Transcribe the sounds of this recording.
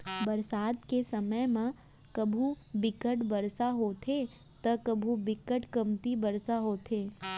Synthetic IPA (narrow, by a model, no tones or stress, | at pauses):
bɐɾsaːt̪kesɐməjmã | kɐbʱu | bɪkəʈbɐɾsaɦoːt̪ʰe | t̪ɐkəbʱubɪkəʈkɐmt̪ibɐɾsaɦoːt̪ʰeː